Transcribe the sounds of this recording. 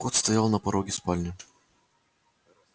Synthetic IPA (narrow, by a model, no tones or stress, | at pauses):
kot̪st̪ɐjalˠnɐpɐɾoɡʲɪspalʲnʲɪʊ